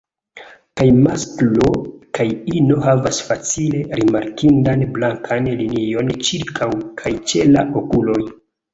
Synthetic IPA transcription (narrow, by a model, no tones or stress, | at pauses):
kajmasklo̞kʰajino̞ɦavasfat͡sile̞ɾimaɾkindanblaŋkʰanlinio̞nt͡ʃiɾkʰawkʰajt͡ʃe̞la̰ʔokulo̞j